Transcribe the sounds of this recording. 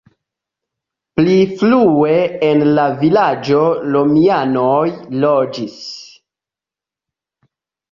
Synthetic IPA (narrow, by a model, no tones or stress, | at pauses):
pliflue̞enlavilad͡ʒo̞lomianojlod͡ʒis